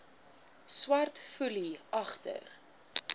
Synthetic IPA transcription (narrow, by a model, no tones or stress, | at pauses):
swɐrtfuliɐχtə̰r